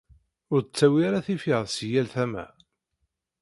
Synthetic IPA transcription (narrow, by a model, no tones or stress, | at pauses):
ʊɾt͡sːæwiaɾaθifiʁðsjælθæmæ̰